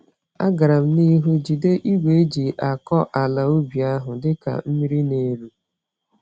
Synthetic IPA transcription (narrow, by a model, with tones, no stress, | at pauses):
a̰˦ɡa˨ɾa˨m̩˦ni˦ɦu˦d͡ʒi˨de˦ʔi˦ɡʷe˨˦d͡ʒi˨ʔa˨kɔ˦ʔa˨la˨o˦bi˨a˦ɦʊ˨dɪ˦ka̰˨m̩˦mi˦ɾi˦ne˨ɾu˦